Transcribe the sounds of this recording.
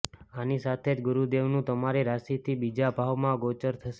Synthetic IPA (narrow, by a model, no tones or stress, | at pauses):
anisat̪ʰed͡ʒɡʊɾud̪eʋnũt̪əmaɾeɾaʃit̪ʰibid͡ʒabʱaʋmãɡot͡ʃəɾt̪ʰəʃe